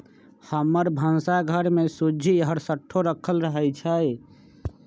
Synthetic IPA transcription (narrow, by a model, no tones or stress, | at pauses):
həməɾbʱənsaɡʱəɾmesud͡ʒʱiɦəɾsəʈʰːoɾəkʰəlɾəɦɛjt͡ʃʰəj